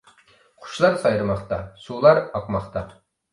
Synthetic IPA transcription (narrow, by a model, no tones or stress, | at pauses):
χʰʊ̥ʃlˠɑɾsɑjɾɨmɑχt̪ɑsulˠɑɾɑq̚mɑχt̪ɑ